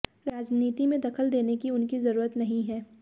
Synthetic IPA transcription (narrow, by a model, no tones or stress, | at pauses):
ɾaːd͡ʒniːt̪imẽd̪ɐkʰəld̪eːnekiʊnkizɐɾuːɾət̪nɐɦĩɦɛː